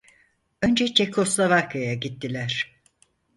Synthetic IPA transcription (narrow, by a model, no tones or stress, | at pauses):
ø̞nd͡ʒɛt͡ʃʰekʰo̞slˠavaɾkʰajaɟit̪ʰːilʲæɾ̥